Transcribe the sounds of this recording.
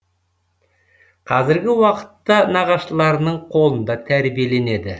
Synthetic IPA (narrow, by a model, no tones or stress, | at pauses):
qʰɑzɪɾɡʲɪwɑqə̥t̪ːɑnɑʁɑʃəlˠɑɾnəɴqʰo̞lˠənd̪ɑt̪ʰæɾbije̞le̞ne̞d̪ɪ